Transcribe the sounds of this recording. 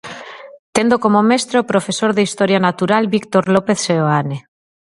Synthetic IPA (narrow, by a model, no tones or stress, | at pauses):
t̪end̪okomomest̪ɾopɾofesoɾðeist̪oɾjanat̪uɾalbikt̪oɾlopeθseoane